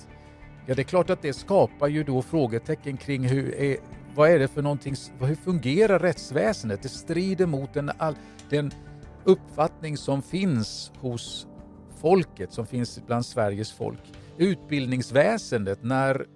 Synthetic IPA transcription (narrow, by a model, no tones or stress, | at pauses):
jɑːd̪ɛkʰlɑːʈat̪̚d̪ɛskɑːpaɾjɵd̪ɔfɾoːɡət̪ʰɛkːənkʰɾɪŋːɦɵɾɛvaæɖɛfœɳɔnt̪ʰɪŋsvaɦɵfɵŋɡeːɾaɾːɛt̪svɛːsənd̪ət̪̚d̪ɛst̪ɾiːd̪əɾmʊt̪̚d̪ɛnal | d̪̥ɛn | ɵpːfat̪nɪŋsɔmfɪnshʊs | fɔlkət̪sɔmfɪnsbland̪svæɾjəsfɔ̰lk | ʉ̟ːt̪̚bɪld̪nɪŋsvɛːsənd̪ət̪næɾ